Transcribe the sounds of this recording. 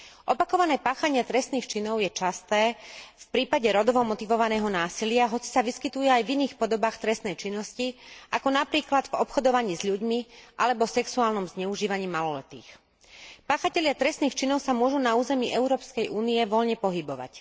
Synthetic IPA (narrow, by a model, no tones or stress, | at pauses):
ʔɔpakɔʋanɛːpaːxaɲɪɛt̪ɾɛst̪niːxt͡ʃinɔʊjɛt͡ʃast̪ɛːfpɾiːpaɟɛɾɔd̪ɔʋɔmɔt̪iʋɔʋanɛːɦɔnaːsilɪaɦɔt͡si̥saʋiskit̪ujɛajviniːxpɔd̪ɔbaːxt̪ɾɛst̪nɛjt͡ʃinːɔsciʔakɔnapɾiːklad̪vɔpxɔd̪ɔʋaɲiːzʎuɟmiʔalɛbɔsɛksuaːlnɔmzɲɛuʒiːʋaɲiːmalɔlɛ̰t̪ḭːx | paːxacɛʎɪat̪ɾɛst̪niːxt͡ʃinɔʊsamʊɔʒunauːzɛmiʔɛʊɾɔːpskɛjʔuːnijɛʋɔʎɲɛpɔɦibɔʋa̰c